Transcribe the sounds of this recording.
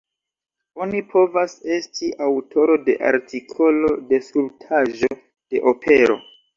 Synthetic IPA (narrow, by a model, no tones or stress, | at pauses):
o̞nipʰo̞vase̞stʰiʔawtʰo̞ɾo̞de̞̰ʔa̰ɾtʰikʰo̞lo̞de̞sultʰaʒo̞ | d̥e̞̰ʔopʰe̞ɾo̞̰